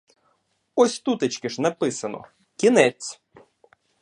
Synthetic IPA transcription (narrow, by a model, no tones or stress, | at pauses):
ɔsʲt̪ut̪ɪt͡ʃkɪʃnɐpɪsɐnɔ̰ | kʲinɛt͡sʲ